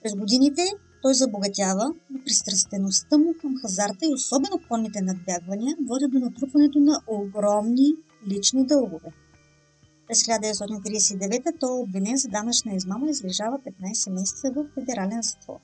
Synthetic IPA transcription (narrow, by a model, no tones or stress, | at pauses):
pɾɛzɡod̪init̪ɛ | t̪ɔjzɐboɡɐt̪ʲavəd̪opɾist̪ɾəst̪ɛnost̪əmʊkəmxɐzaɾt̪əiosɔbɛnopɔɾnit̪ɛnɐd̪̚bʲjaɡvɐnijəvɔd̪id̪unot̪ɾupvɐnɛt̪onɐʔoɡɾɔmni | lit͡ʃnid̪ɤlˠɡovɛ | pɾɛsxʲilʲad̪d̪ɛst̪ɔt̪init̪ɾiɛsɛid̪ɛvɛt̪ət̪ɔɛobvinɛnzɐd̪anɐt͡ʃnəizmaməizbliʒavəpɛt̪̚najsɛmɛjsɛ̥t̪səvəffɛd̪ɛɾalɛnzɐt̪vɔ̰r